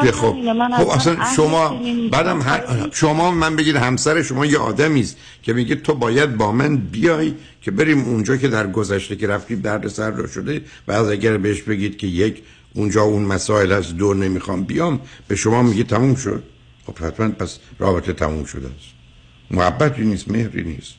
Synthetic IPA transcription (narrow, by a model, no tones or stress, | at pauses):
kexob̥̚xobæsænʃomɒːbæːd̪æmɦæʃomɒːbemænbe̞ɡiːd̪hæmsæɾeʃo̞mɒːjeʔɒ̰ːd̪æmiːst̪ | kʲʰe̞miːɡet̪ʰobɒːjæd̪̚bɒːmænbijɒːj | kʰe̞be̞ɾiːmund͡ʒɒːkʰe̞d̪æɾɡozæʃt̪eke̞ɾæft̪iːb̪æɾd̪esæɾːɔ̰ʃod̪e | væːzæɡæɾbeheʃbe̞ɡiːd̪̥̚kʲʰe̞jekʰ | und͡ʒɒːunmæsɒːelæsd̪one̞miːxɒːmbijɒːmb̥e̞ʃomɒːmiːɡet̪ʰæmuːmʃo̰d̪̥̚ | xob̥hæt̪ʰmænpʰæsrɒ̰ːbe̞t̪ʰe̞t̪ʰæ̰mṵmʃo̰d̪ḛæst̪ | mohæbːæt̪ʰiːniːst̪me̞hɾḭnḭːst̪